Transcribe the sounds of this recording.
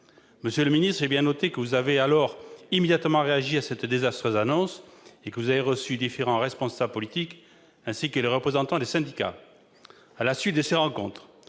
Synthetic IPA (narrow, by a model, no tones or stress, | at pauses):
məsjøləminist̪ʁɛbjɛ̃nɔt̪ekəvuzavealɔʁimed̪jat̪mɑ̃ʁeaʒiasɛt̪d̪ezast̪χøzanɔ̃sekəvuzaveʁəsyd̪ifeʁɑ̃ʁɛspɔ̃sabləpɔlit̪ik | ɛ̃sikəleʁəpχezɑ̃t̪ɑ̃d̪esɛ̃d̪ika̰ | alasɥit̪̚d̪əseʁɑ̃kɔ̰̃t̪χ